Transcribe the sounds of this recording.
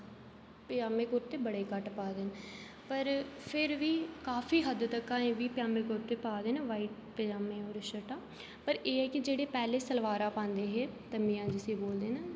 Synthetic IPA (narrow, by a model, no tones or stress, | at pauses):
pɪjaːmeːkʊɾt̪eːbəɽeːkəʈpaːd̪en | pəɾpʰɪɾʋiːkaːfʰiːɦəd̪t̪əkːãːẽːʋiːpɪjaːmeːkʊɾt̪eːpaːd̪eːnʋaːiːʈ | pəjaːmẽːoːɾʃəʈãː | pəɾeːɛːkɪd͡ʒeːɽeːpɛːleːsəlʋaːɾãːpãːnd̪eːɦeːt̪əmiːãːd͡ʒɪsẽːboːld̪eːnaː